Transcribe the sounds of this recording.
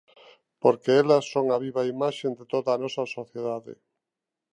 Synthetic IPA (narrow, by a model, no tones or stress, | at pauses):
poɾkeɛlɐsːoŋaβiβaimaʃend̪et̪oðaːnɔsɐsoθjeðaðɪ̰